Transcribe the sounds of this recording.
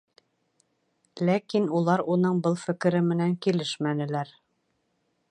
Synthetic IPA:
lækinulˠɑɾunɤɴbɤlˠfɘ̆kɘ̆ɾɘmɘ̆næŋkilɘʃmænɘ̆læɾ

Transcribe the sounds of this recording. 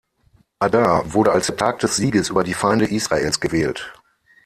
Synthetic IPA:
ʔadavʊɐɾəalsd̥ɛɐtʰaːk̚d̥ɛsz̥iːɡəsʔyːbɐdiːfaɪndəʔiːsʁ̥aʔḛːlsɡ̥əvɛːlt

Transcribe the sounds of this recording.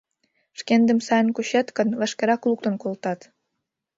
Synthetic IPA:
ʃkend̪ə̆msɑjə̆nkuɕet̪kə̆nvəʃkĕɾɑkuluk̚t̪ə̆nkolt̪ɑt̪

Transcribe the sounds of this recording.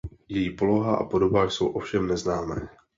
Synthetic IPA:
jɛjiːpo̞lo̞ɦaʔa̰po̞do̞baːxso̞wʔo̞fʃɛmnɛznaːmɛː

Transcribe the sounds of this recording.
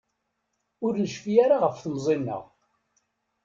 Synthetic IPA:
ʊɾnəʃfijaɾaʁəfθnzˤinːə̰ʁ

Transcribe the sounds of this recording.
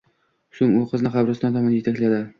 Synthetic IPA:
ʃʊmoqʰɨznqʰɑbɾʊst̪ɒnt̪ʰɒmanjet̪ʰakʲlad̪ɪ

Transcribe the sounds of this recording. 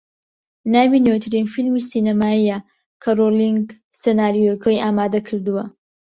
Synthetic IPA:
naːwinewt̪ʰɨɾinfilmisiːnɐmaːija | kʰɐroliŋɡ | senaːɾijokʰojʔaːmaːd̪ɐkʰɨɾd̪uwɐ

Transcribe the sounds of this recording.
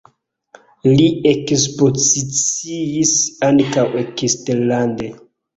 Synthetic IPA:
liekspo̞zit͡siisaŋkawekisteɾlande

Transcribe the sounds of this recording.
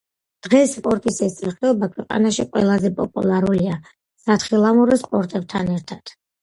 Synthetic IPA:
d̪̥ʁɛsːpʼɔɾt̪ʼisɛsʰʼiχɛɔbakʰwɛqʼa̰naʃiqʼwɛ̰lˠazɛpʼɔpʼulˠaɾulia | sat̪χilˠamuɾɛsqʼɔɾt̪ʼɛb̚t̪ʰanɛɾt̪ʰad̪̥

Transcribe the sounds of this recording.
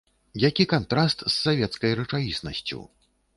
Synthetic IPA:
jakʲikant̪ɾast̪sːavʲɛt̪skɐjrɐt͡ʂavʲisnɐ̰sʲt͡sʲṵ

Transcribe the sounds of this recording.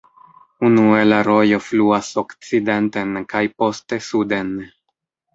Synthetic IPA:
unue̞laɾo̞jo̞fluasokt͡side̞ntenkajpo̞ste̞sude̞n

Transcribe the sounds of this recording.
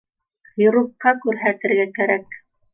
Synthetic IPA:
jŏɾuqːɑkʉɾɦæt̪ɘ̆ɾɡækæɾæk̚

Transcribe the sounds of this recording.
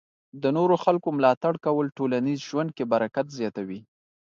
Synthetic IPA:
d̪ənoɾoxalkomlɑt̪aɽkawəlʈolanizʒwand̪̚kebaɾakat̪zjɑt̪awi

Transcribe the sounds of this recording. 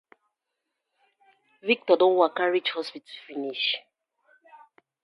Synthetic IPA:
vik̚tɔdɔ̃nwakaɹid͡ʒhɔspitufiniʃ

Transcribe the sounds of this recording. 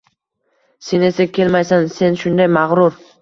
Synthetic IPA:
se̞ne̞sakʲʰe̞lmajsanse̞nʃʊnd̪ajmaʁɾʊɾ

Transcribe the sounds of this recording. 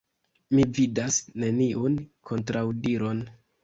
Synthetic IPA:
mividasne̞niʔunkʰo̞ntɾawdiɾo̞n

